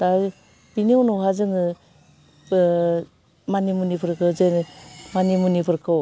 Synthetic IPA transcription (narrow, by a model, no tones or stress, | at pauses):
ta | pinionoɦazɯŋɯ | manimunipʰɯɾkʰɯzenmanimunipʰɯɾkʰaw